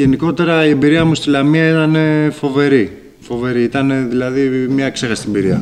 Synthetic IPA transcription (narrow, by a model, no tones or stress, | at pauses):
e̞niko̞t̪e̞ɾɐiembiɾiɐmust̪ilɐmiɐit̪ɐne̞fo̞ve̞ɾi | fo̞ve̞ɾiit̪ɐne̞ðilɐðimɲɐkse̞xɐst̪iembiɾiɐ̰